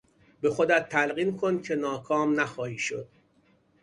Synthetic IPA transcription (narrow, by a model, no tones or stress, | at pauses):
be̞xod̪æt̪ʰːælɢiːnkʰon̚cʲʰe̞nɒːkʰɒːmnæxɒːhiːʃod̪̥̚